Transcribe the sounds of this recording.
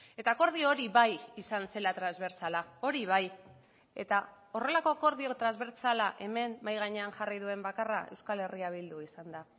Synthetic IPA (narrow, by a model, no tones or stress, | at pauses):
e̞t̪ako̞ɾð̞ioɾiβajisanse̞lat̪ɾanzβe̞ɾt͡salao̞ɾiβ̞aj | e̞̰t̪a | o̞re̞lako̞ko̞ɾðio̞t̪ɾanzβe̞ɾt͡salaʔe̞me̞mbajɣ̞aɲe̞aŋʝariðue̞mbakarae̞wskale̞riaβild̪uisand̪a